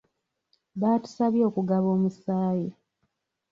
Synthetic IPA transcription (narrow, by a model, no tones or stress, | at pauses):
βaːtu̥saβjo̞ːkuɡaβo̞ːmusaːje